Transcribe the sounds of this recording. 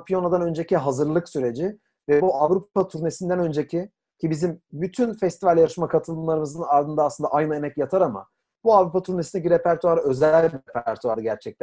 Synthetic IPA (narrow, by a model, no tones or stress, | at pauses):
pʰijo̞nad̪anø̞nd͡ʒe̞ciɦazɯɾlˠɯksyɾe̞d͡ʒɪ | vɛbuavɾupat̪ʰuɾne̞sind̪ænø̞nd͡ʒecʰi | cʰibizimbyt̪ʰynfɛst̪ivalʲjaɾɯʃmakʰat̪ʰɯlˠɯmlˠaɾɯmɯzɯnaɾd̪ɯnd̪aːsˠɯnd̪a̰ʔajnɯemɛcjat̪ʰaɾama̰ | buavɾupat̪ʰuɾne̞sinɛciɾepʰæɾt̪uaɾø̞zɛlʲbɾepʰæɾt̪ʰuaɾɯɟæɾt͡ʃʰɛc̚t̪ʰæ